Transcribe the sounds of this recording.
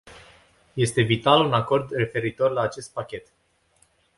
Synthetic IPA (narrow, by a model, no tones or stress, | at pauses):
je̞st̪e̞vit̪alunako̞rd̪re̞fe̞ɾit̪o̞rlaːt͡ʃe̞st̪̚pakʲe̞t̪